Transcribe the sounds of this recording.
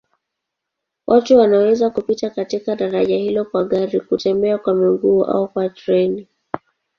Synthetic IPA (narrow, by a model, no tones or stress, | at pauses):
wʔatuwanawɛzakupitakatikaɗaɾaʄahilɔkwaɠaɾikutɛmbɛakwamiŋɡuːʔa̰ukwatɾɛni